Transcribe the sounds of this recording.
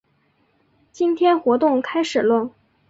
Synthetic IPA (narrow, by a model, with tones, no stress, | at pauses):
t͡ɕi˥nt̪ʰjɛ˥nxwɔ˧˥t̪ʊ˥˩ŋkʰa˥ɪʂɻ̩˨˩lwə˥˩n